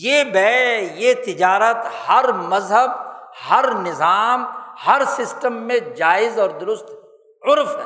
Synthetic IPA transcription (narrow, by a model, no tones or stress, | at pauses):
jeːbɛjet̪ɪd͡ʒaːɾət̪hɐɾmɐzɦəb̚hɐɾnɪzaːmhɐɾsɪsʈəmːẽd͡ʒaːɪzɔːɾd̪ʊɾʊst̪ | ʊɾfɦɛ̰ː